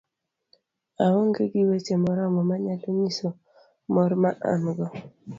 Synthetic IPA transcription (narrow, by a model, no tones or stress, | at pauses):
awɔŋɡeɡiwet͡ʃemɔɾamɔmaɲatoɲiso | mɔɾmaʔa̰mɡɔ